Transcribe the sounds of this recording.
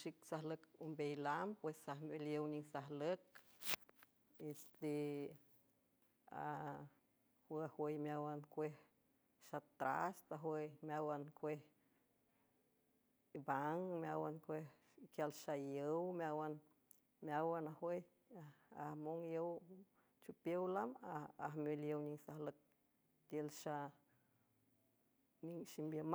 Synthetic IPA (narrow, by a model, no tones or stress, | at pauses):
ʃiksahləkumbejlampwesahmeljəwnisaɦlək̚ | est̪e | a̰ | hwəahwəjmjawankʷeh | ʃat̪ɾa̰st̪aɦwəjmʲjawankʷeh | baŋmjawankʷeh | kjalʃajəwmjawan | mjawanahwej | amoŋjəw | t͡ʃupjəwlamaaɦmoljəwɲiŋsahlək̚ | t̪jəlʃa | niŋʃimbjəm